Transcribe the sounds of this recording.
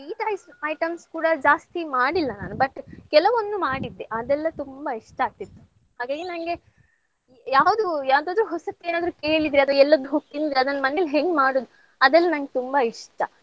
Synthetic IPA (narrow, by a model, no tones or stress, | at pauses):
iːʈ̪aːjsɐjʈɐmskuːɽɐd͡ʒaːst̪imaːɽilːɐna̰ːnubɐʈkɛlɐʋond̪umaːɽid̪ːeʔɐd̪ɛlːɐt̪umbɐiʂʈɐaːɡ̚t̪it̪ːu | haːɡaːɡinɐŋɡe̞ | jaːʋd̪ujaːʋd̪oːd̪ɾuɦɔsɐk̪ːeːnaːd̪ɾuːke̞ːɭid̪ɾiɐt̪ʋɐɛlːɐd̪ɦut̪ind̪eɐd̪ɐnːɐmɐnelːɦeŋɡmaːɽoːd̪u | ɐd̪ɛlːɐnɐŋɡet̪umbɐiʂʈɐ